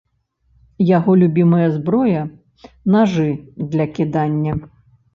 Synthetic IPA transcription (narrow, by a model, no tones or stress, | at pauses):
jaɣɔlʲubʲimɐjɐzbɾɔjɐ | naʐɨd̪lʲɐkʲid̪anʲːɐ